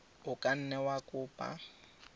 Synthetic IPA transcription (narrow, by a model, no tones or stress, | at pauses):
ʊkʼan̩nɛwakʼʊːpʼa̰